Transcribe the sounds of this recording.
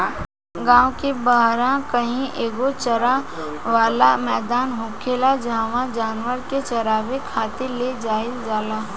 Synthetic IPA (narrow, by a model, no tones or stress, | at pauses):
ɡãːwkebaɦɾãkəɦĩʔeːɡot͡ʃəɾa | ʋaːlamɛːd̪aːnɦʊ̃kʰelad͡ʒaːʋãd͡ʒaːnʋəɾket͡ʃɐɾaːʋekʰaːt̪eled͡ʒaːɪld͡ʒaːlaː